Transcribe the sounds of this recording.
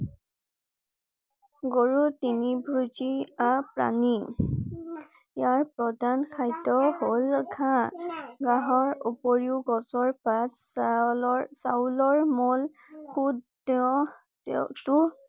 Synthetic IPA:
ɡoɹutinibʱɹuziapɹa̰ni | jaɹpɹɔdankʰajtɔholɡʰʱã | ɡaɦɔɹupoɹiʊɡɔsɔɹpat | sawlɔɹmɔl | xud | ɔ | tu

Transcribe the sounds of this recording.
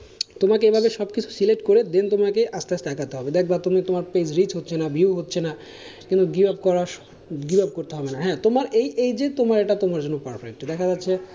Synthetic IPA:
t̪omakeebʱabeʃɔbkit͡ɕʰu̥sileʈkoɾed̪ent̪̬omakeʔast̪ast̪akʰat̪eɦɔbed̪ɛk̚ʰbat̪omet̪omaɾpesɾit͡ɕɦotːɕʰenabʱiuɦotːɕʰena | kĩnt̪uɡibabkɔɾa | ɡibab̚koɾt̪eɦɔbenaɦɛ̃ːt̪omaɾejʔejd͡ʑet̪omaɾeʈat̪omaɾd͡ʑonːopaɾfɾekʈid̪ɛkʰad͡ʑatːɕʰe

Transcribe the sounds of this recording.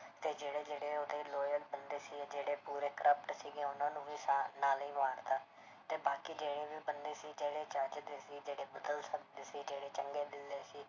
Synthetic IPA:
t̪eːd͡ʒeːɽeːd͡ʒeːɽeːoːd̪eːloːjək̚bənd̪eːsiːd͡ʒeːɽeːpuːɾeːkəɾəpʈsiːɡẽːʊnãːnũːʋiːsaːnaːlĩːmaːɾt̪aː | t̪eːbaːkiːd͡ʒeːɽeːʋiːbənd̪eːsiːd͡ʒeːɽeːt͡ʃəɾd͡ʒd̪eːsiːd͡ʒeːɽeːbəd̪əlsək̚d̪eːsiːd͡ʒeːɽeːt͡ʃəŋɡeːd̪ɪld̪eːsiː

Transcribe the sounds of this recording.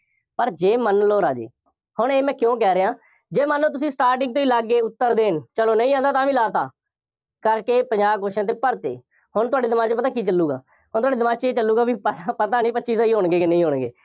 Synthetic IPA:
pəɾd͡ʒeːmənloːɾaːd͡ʒḛː | hʊɳeːmɛ̃ːkjõːk̬ɛːɾeãː | d͡ʒeːmənloːt̪̬ʊsĩːsʈaːɾʈɪ̃ŋɡ̚t̪õːiːlaɡeːʊt̪ːəɾd̪eːnt͡ʃəloːnəĩːãːnd̪aːt̪ãːʋĩːlaːt̪a̰ː | kəɾkeːpəɲd͡ʒaːkoʃãːt̪̬eːpəɾt̪ḛː | hʊnt̪ʊaːɖeːd̪ɪmaːt͡ʃːpət̪ãːkiːt͡ʃəlːuːɡa̰ː | ɦʊnt̪ʊwaːɖeːd̪ɪmãːt͡ʃeːt͡ʃəlːuːɡaːbiːpəpət̪aːnĩːpətːʃiːsːiːɦoːɳɡeːkɪnə̃ĩːɦoːɳɡḛː

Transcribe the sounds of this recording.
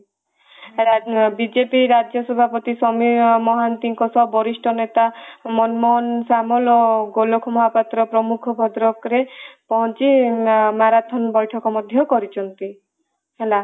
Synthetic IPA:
ɦelabid͡ʒepiɾad͡ʒjɔsɔbʱapɔt̪isɔmimɔɦant̪iŋkɔsɔbɔɾisʈʰɔnet̪amɔnmɔɦɔnsamɔlɔɡolokʰɔmɔɦapat̪ɾɔpɾɔmukʰɔbʱɔd̪ɾɔkɾepɔɦɔnt͡ʃimaɾat̪ʰɔnbɔjʈʰɔkɔmɔd̪ʱjɔkɔɾit͡ʃʰɔnt̪i | ɦela

